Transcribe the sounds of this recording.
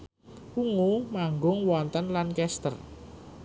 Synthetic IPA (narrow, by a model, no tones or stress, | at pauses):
ʔuŋumaŋɡʊŋwɔnt̪ənlankɛst̪ə̰r